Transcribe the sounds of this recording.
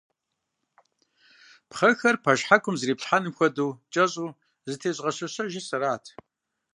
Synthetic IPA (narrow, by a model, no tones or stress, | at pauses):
pχɐxɐrpʰɐʃħakʷʰʼʊmzɨriːpɬħanɨmxʷɐduːt͡ʃʼɐɕʼuː | zɨtʰeːɕʼʁɐɕɐɕɐʒɪsɐɾaːtʰ